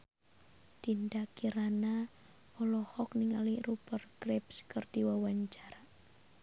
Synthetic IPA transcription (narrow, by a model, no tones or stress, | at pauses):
t̪indakiɾana | ɔlɔhɔk̚niŋalirupərkɾɪpskərd̥iwawaɲt͡ʃaɾa